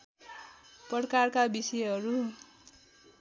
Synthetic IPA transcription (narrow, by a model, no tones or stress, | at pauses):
pʌɽkarkabisʌɦʌɾu